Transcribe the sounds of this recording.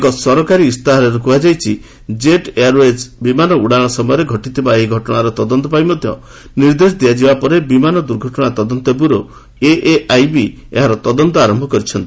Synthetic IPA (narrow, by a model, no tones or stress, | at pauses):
kɔsɔɾɔkaɾiːst̪aɦɔɾeɾukuad͡ʒajt͡ʃʰi | d͡ʒeʈeaɾed͡ʒbimanɔuɽaɽ̃ɔsɔmɔjɔɾeɡʱɔʈit̪ʰibaeɦiɡʱɔʈɔɽ̃aɾɔt̪ɔd̪ɔnt̪ɔpajmɔd̪ʱjɔ̰ | niɾd̪esd̪iad͡ʒibapɔɾebimanɔd̪uɾɡʱɔʈɔɽ̃at̪ɔd̪ɔnt̪ɔp̬uɾo | eʔeʔajbi | ḛɦaɾɔt̪ɔd̪ɔnt̪ɔaɾɔmbʱɔkɔɾit͡ʃʰɔnt̪i